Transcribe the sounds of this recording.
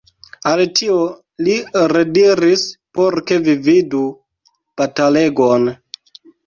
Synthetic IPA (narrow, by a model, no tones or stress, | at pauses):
altio | liɾediɾispoɾke̞vividu | b̥atale̞ɡon